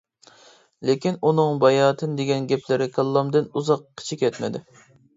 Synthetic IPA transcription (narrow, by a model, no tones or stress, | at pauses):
lekʲinunɨŋbɑjɑːt̪ʰɨnd̪eɡʲɛnɡʲɛpʰlɪɾɪkʰɑlˠːɑmd̪ɪnuzɑqkʲʰi̥t͡ʃʰikʲɛt̪mɪd̪ɪ